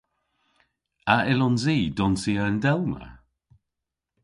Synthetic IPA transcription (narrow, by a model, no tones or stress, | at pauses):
aʔɪlɔnziːdɔnsiːəəndɛlmə̰